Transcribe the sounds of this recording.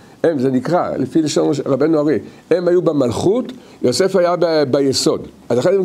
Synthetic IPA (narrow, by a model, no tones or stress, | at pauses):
emzenikʁa̰lefileʃonʁabenuaʁi | emhajubemalχut | jo̞se̞fajabebejeso̞dʔazaχenm